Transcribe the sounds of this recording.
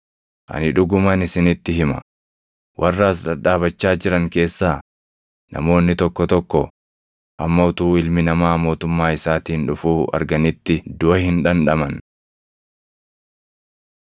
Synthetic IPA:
ʔɐ̰nɪᶑʊɡʊmɐnɪsɪnɪt̪ːɪɦɪmɐ̰ | wʔɐrːaːsᶑɐᶑaːbɐt͡ʃːaːd͡ʒɪɾɐŋke̞ːsːaː | nʔɐ̰mo̞ːnːɪt̪ɔkːɔt̪ɔkːɔ | ʔɐmːɐʊt̪uːɪlmɪnɐmaːmo̞ːt̪ʊmːaːɪsaːt̪iːnᶑʊfuːɐ̰ɾɡɐnɪt̪ːɪd̪ʊʔɐhɪnᶑɐnᶑɐmɐn

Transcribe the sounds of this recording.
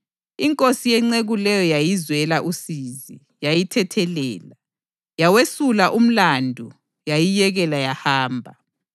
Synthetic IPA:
iŋkʼosijɛŋ͡ǀeɣulɛjɔjajizwɛlaʔusiːzi | jajitʰɛtʰɛlɛːla | jawesulaʔum̩landʱu | jajijɛɣɛlajahaːmbʱa

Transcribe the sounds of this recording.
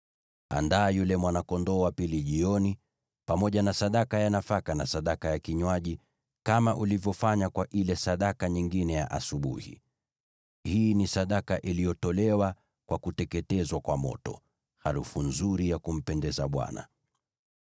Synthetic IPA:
a̰ndaːjulɛmwanakɔndɔːwapiliʄiɔni | pamɔʄanasaɗakajanafakana̰saɗakajakiɲwaʄi | kamaʔulivjɔfaɲakwaʔilɛsaɗakaɲiŋɡinɛja̰ʔasuɓṵhḭ | hiːnisaɗakaʔilijɔtɔlɛwa | kwakutɛkɛtɛzwakwamɔ̰tɔ̰ | haɾufunzuɾijakum̩pɛndɛzaɓwa̰na̰

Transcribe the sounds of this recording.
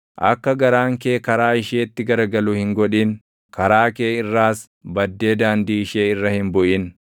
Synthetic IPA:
ʔɐ̰kːɐɡɐɾaːŋke̞ːkɐɾaːɪʃeːɪt̪ːɪɡɐɾɡɐlʊhɪŋɡɔᶑiːn | kɐɾaːke̞ːɪrːaːs | bɐd̪ːe̞ːd̪aːnd̪iːɪʃeːɪrːɐhɪnbʊʔɪn

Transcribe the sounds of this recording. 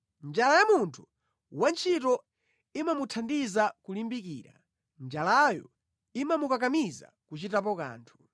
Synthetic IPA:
nd͡ʒalajamuntʰu̥ | want͡ʃʰitɔ | imamutʰandizakulimbikḭːɾa̰ | nd͡ʒalajɔ̰ | imamukak̬amiza̰kut͡ʃitap̬ɔka̰ːntʰu̥

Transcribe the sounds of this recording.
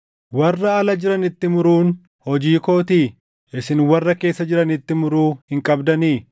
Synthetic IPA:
wɐrːɐɐlɐd͡ʒɪɾɐnɪt̪ːɪmʊɾuːn | hɔd͡ʒiːko̞ːt̪iː | ɪsɪnwɐrːɐke̞ːsːɐd͡ʒɪɾɐnɪt̪ːɪmʊɾuːhɪŋkʼɐbd̪ɐniː

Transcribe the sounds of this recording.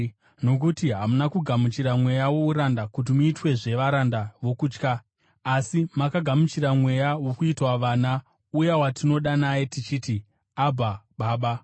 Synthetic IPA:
no̞k̬utiɦamunakuɡʱamut͡ʃiɾamwe̞jawo̞uɾandakut̬imuitwe̞ʐe̞ʋaɾandaʋo̞kuːt͡ʃkaː | simakaɡʱamut͡ʃiɾamwe̞jawokuitwaʋaːna | ujawatino̞ɗanajetit͡ʃiːti | abʱaɓaːɓa

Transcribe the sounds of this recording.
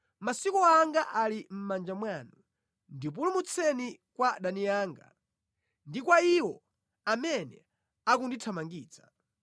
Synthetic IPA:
masikɔaŋɡaʔalim̩mand͡ʒamwanu | ndip̬ulumut͡sʰɛnikwaɗaniaːŋɡa̰ | ndikwaiwɔ | amɛnɛ | akunditʰamaŋɡiːt͡sḁ

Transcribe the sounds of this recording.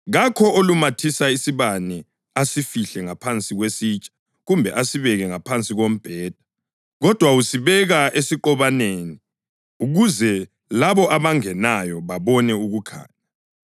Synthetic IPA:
ɣakʰɔolumatʰisaisiβanɛ | asifiɬɛŋapʰant͡sʼiɣwesiːt͡ʃʼḁ | ɣumbʱɛʔasiβɛɣɛŋapʰant͡sʼiɣom̩b̥ʱɛːd̥ʱḁ | ɣɔd̥ʱwausiβɛɣaʔesiǃɔβaneːni | uɣuzɛ | laβɔʔaβaŋɛnajɔβaβɔnɛuɣukʰa̰ːɲa

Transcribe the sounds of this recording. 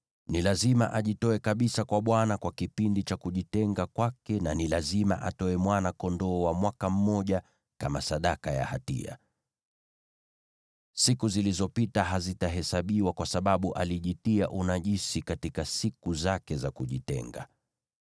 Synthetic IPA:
nilazima̰ʔaʄitɔɛkaɓisakwaɓwanakwakipindit͡ʃakuʄitɛŋɡakwakɛnanilazima̰ʔa̰tɔɛmwanakɔndɔːwamwakam̩mɔʄa | kamasaɗakaja̰ha̰tḭa̰ | sikuzilizɔpitaɦazitaɦɛsaɓiwakwasaɓaɓuʔaliʄitiaʔunaʄisikatikasikuzakɛzakuʄitɛ̰ŋɡa̰

